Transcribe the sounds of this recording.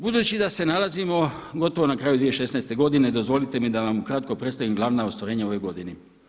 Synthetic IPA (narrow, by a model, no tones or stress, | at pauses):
bud̪uːt͡ɕid̪ase̞nalˠazimo̞ | ɡo̞t̪o̞ʋonakɾaːjud̪ʋijeʃe̞snaest̪e̞ɡo̞d̪ine̞d̪o̞zʋo̞lit̪e̞mid̪aʋamukɾaːt̪̚ko̞pɾet̪st̪aʋimɡlˠaːʋnaost̪ʋaɾe̞ːɲao̞ʋe̞jɡo̞d̪ine